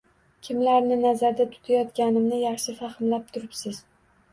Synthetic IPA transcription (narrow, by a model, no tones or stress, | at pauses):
kʲʰɪmlaɾnɪnazaɾd̪at̪ʰʊ̥t̪ʰajɒt̪kʲanɪmnɪjɑχʃɪfaχɪmlap̚t̪ʰʊɾɪpsɪz̥